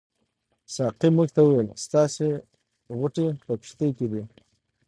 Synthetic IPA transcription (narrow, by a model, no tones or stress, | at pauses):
sɑqimuɡt̪awuwelst̪ɑse | ɣʊʈepəpɪ̥ʃt̪əjked̪i